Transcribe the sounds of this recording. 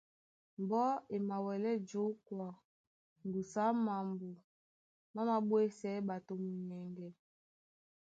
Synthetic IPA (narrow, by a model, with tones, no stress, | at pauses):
m˨bɔ˦e˨ma˨wɛ˨lɛ˦d͡ʒo˦kwa˨ | ŋ˨ɡu˨sa˨˦ma˨mbu˨ | ma˦ma˦ɓwe˦sɛ˦ɓa˨to˨mu˨ɲɛ˨ŋɡɛ˨